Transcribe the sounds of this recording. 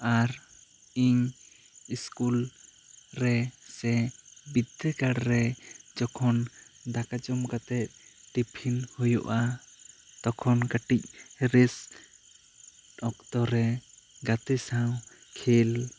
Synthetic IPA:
aɾ | iɲ | iskul | ɾɛsɛbid̪ːɛɡaɽɾɛd͡ʒɔkʰɔnd̪akad͡ʒɔmkat̪ɛt̪̚ɖipʰinhujɔ̰ʔa | t̪ɔkʰɔnkaʈic̚ɾɛs | ɔk̚t̪ɔɾɛɡat̪ɛsaw | kʰel

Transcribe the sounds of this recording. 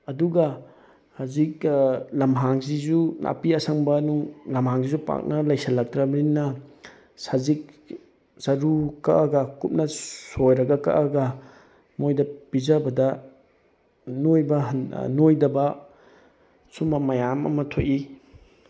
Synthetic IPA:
ɐduɡɐ | hazik̚lɐmɦaŋzizunʔa̰piɐsɐŋbɐnulɐmɦaŋsizupa̰k̚nɐlɐjsɐlɐk̚tɾɐbɐninːɐ | sazik̚ | z̥ɐɾukɐʔɐɡɐkup̚nɐsojɾɐɡɐkɐ̰ʔɐɡɐ | mojdɐpizɐbɐdɐ | nojbɐɦnojdɐbɐ | sumɐmɐjamɐ̰mɐtʰoji

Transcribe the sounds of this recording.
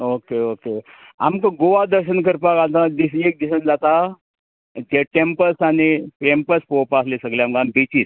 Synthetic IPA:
okeoke | a̰mkəɡoʋad̪əɾɕənkəɾpakat̪ãd̪isek̚d̪isənd͡zat̪a | t̪eʈempəsanipʈempəspopaslesəɡleamkambit͡ɕiːs

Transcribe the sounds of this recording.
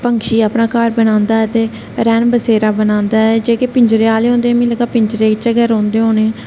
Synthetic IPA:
pəŋʃiːaːpnaːkaːɾbənãːnd̪aːɛːt̪eː | ɾɛːnbəseːɾaːbənãːnd̪aːɛd͡ʒeːkeːpɪɲd͡ʒɾeːaːleːɦõːnd̪eːɛ̃ːmĩːləɡaːpɪɲt͡ʃɾeːt͡ʃəɡɛːɾõːnd̪eːɦõːneɛ̃ː

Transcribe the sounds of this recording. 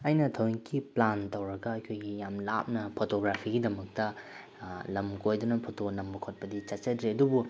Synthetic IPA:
ɐjnɐtʰɐwikːiplantɐwɾɐɡɐɐjkʰojɡijamlap̚nɐpʰotoɡɾapʰiɡidɐmɐk̚tɐ | lɐmkojdɔnɐpʰotonɐmbɐkʰot̚pɐdit͡ʃat͡ʃɐdɾeɐdubu

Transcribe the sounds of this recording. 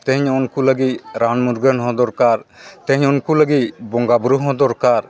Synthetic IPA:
t̪ɛɦɲɔnkuləɡit̪̚ɾanmuɾɡənɦɔ̃d̪ɔɾkaɾt̪ɛ̃ɦɲɔnkuləɡit̪bɔŋɡabɾuɦɔ̃d̪ɔɾkaɾ

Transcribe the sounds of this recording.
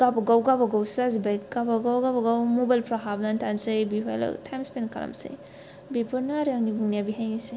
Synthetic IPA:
ɡ̥abaɡawɡabaɡawsazibajk̚ɡabaɡawɡabaɡawmobajlpʰɾaɦabnantʰansɯjbiɦoj̰la̰tʰajmspenkʰa̰la̰msḛj | bipʰuɾnaɾjaŋnibuŋnijabiɦajnise

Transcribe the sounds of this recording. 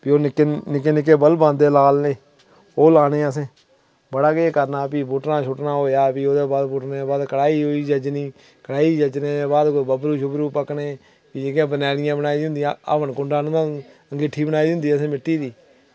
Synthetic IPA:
pioːnɪkenɪkeːnɪk̬ːeːbəlbãːnd̪eːlaːlneː | oːlaːnẽːəsẽː | bəɽaːkeeːkəɾnaːpiːbʊʈnãːt͡ʃʰʊʈnaːɦoːjaːpiːoːd̪eːbaːd̪bʊʈnebaːd̪kəɽaːiːɦoːiːd͡ʒəd͡ʒniː | kəɽaːiːd͡ʒəd͡ʒneːeːbaːd̪koːiːbəbɾuːʃʊbɾuːpəkneː | piːd͡ʒeɡãːbənaːɽɪjãːbənaːiːd̪ɦʊ̃nd̪ɪjãa̰ːpənkʊɳɖaːnʊ̃ãːəŋɡɪʈʰːiːbənaːiːd̪ɦʊ̃nd̪iːəsẽːmɪʈːiːd̪iː

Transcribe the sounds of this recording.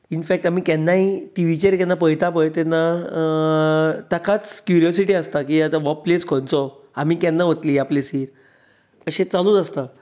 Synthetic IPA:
infɛk̚ʈam̤iːkɛnːaiʈiʋ̤it͡ɕeɾkɛnːapəjt̪apəjt̪ɛnːa | t̪əkat͡skjuɾijɔs̬iʈiəst̪akiat̪ãʋɔpːleskʰɔnt͡sɔam̤iːkɛnːaʋɦot̪liːaplesiːɾ | kəɕẽt͡salũːt͡səst̪a

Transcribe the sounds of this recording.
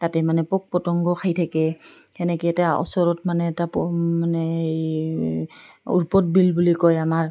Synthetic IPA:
tatɛmanɛpɔk̚pɔtɔŋɡɔkʰajtʰakɛ | kɛnɛkiɛtaɔ̰sɔɹɔtmanɛːtapmanɛ | ṵɹpɔt̚bilbulikɔjamaɹ

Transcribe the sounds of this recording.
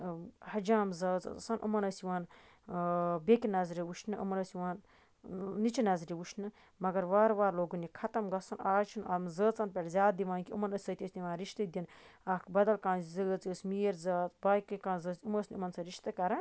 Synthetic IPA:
hɐd͡ʒaːmzɐːt͡sɐ̰t͡sɐ̰sanʔṵmɐnɐsiʋaːn | bekʲinɐzɾiwuʃnɨʔṵmɐnɐsiʋaːnː | it͡ʃinɐzɾiʋuʃʰnɨ | mɐɡɐɾʋaːɾʋaːɾloːɡunikʰɐt̪ɐmɡɐsɐnaːt͡ʃʰunɐmzəːt͡sɐnpʲeʈzʲaːt̪̚d̪iʋaːnkʲiṵmɐnɐsʲsɐt̪ʰʲisʲniʋaːnɾiʃt̪ɐd̪inɐkʰbɐd̪ɐlkãːnzəːt͡səsmiːɾzaːt̪baːjkːɨkãːnzəːsʲuməsʲnʲiumɐnsɐɾiʃt̪ɨkɐɾɐ

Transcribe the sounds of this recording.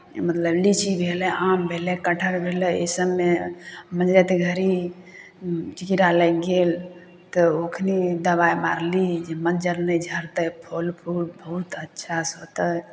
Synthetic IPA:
mət̪ləblit͡ʃʰibʱelɛʔambʱelɛkəʈʰəɾbʱeləḛsəbːeməd͡ʒɾɛt̪eɡʱəɾi | t͡ʃikiɾaləɡel | t̪ɔokʰnid̪əβajmaɾlid͡ʒemənd͡ʒəɾnəd͡ʒʱəɾt̪əpʰolpʰulbəɦut̪ətːʃʰasɦot̪ə

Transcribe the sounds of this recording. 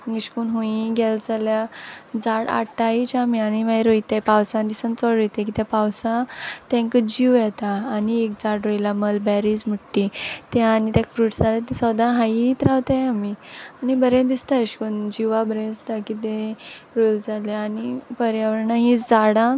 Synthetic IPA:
ŋɡəɕkuːnɦũiɡɛld͡zaljad͡zaɽa̰ʈait͡ɕamiañiʋajɾojt̪apawsãd̪isənt͡sɔɽojt̪ak̬it̪japawsãt̪ɛ̃ŋkəd͡ʑiʋjɛt̪aːniek̚d͡zaɽɾojilaməlbɛɾid͡zməʈːit̪aanit̪ãkfɾuːʈd͡zalat̪ɛ̃sɔd̪ãɦajit̪ɾaʋt̪ajamianibəɾẽd̪ist̪aiɕkuːnd͡ʑiʋabəɾẽst̪akit̪ẽɾojld͡zaljaːnipəɾjaʋəɾɳaɦĩt͡sd͡zaɽã

